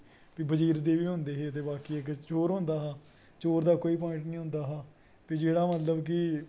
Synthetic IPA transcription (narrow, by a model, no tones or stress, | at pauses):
piːbəd͡ʒiːɾd̪eːʋiːɦʊ̃nd̪eːɦeːət̪̬eːbaːkiːekt͡ʃoːɾɦʊ̃ːnd̪aːɦaː | t͡ʃoːɾd̪aːkoːiːp̬ɔ̃ːɪ̃ɳʈnĩːɦʊ̃ːnd̪aːɦaː | piːd͡ʒeːɽaːmət̪ləbkɪ